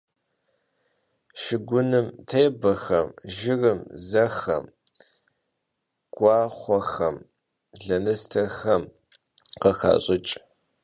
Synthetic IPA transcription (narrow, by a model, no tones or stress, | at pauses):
ʃɪɡʷʊnɨmtʰeːbɐxɐmʒɪrɨmzɐxɐ̰m | ɡ̥ʷɑːχʷɔxɐm | ɮɐnɨstʰɐxɐm | qəxa̰ːɕʼɪt͡ʃʼ